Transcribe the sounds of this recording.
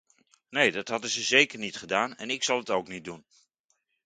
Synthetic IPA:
nejdɑtɦɑdəzəzejkəɹnitχədaːnɛ̰nɪksɑlˠətowknit̚dun

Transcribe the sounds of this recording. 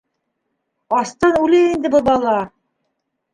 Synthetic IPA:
ɑst̪ɑnʉlɘind̪ɘbɤbɑlˠɑ

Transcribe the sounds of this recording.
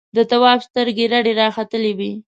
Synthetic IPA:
d̪ət̪awɑbst̪əɾɡeɾaɖeɾɑxat̪əlewi

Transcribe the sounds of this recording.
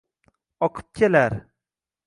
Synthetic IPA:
ɒqʰɨ̥p̚kʲʰelaɾ

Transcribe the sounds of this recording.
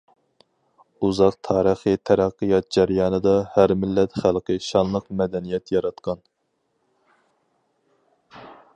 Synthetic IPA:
uzɑq̚t̪ʰɑːɾəχɨt̪ʰæɾæqːɨjɑt̪̚d͡ʒæɾjɑːnɨd̪ɑhæɾmɪlːɛt̪χælˠqʰɨʃɑnlˠəqmɛd̪ɛnijɛt̪jɑɾɑt̪qʰɑn

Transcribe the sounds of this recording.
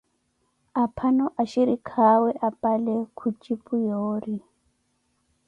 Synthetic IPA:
apʰanɔʔaʃiɾikʰawɛʔapʼalɛkʰut͡ʃʼipʼujoːri

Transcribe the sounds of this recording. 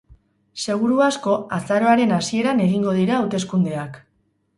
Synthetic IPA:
se̞ɣ̞uɾuasko̞asaɾo̞aɾe̞nasie̞ɾane̞ɣ̞iŋɡo̞ð̞iɾaːwt̪e̞skund̪e̞ak

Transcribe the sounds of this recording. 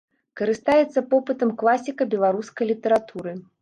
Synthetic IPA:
kɐɾɨst̪ajɛt̪sːɐpɔpɨt̪ɐmklˠasʲikɐbʲɛlˠaɾuskɐjlʲit̪ɛɾat̪uɾɨ

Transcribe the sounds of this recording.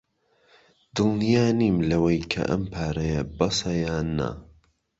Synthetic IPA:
d̪ɨlnijaːniːmlɐwɐjkʰɐ̰ʔɐ̰mpʰaːɾɐjɐbɐsɐjaːnɐ̰

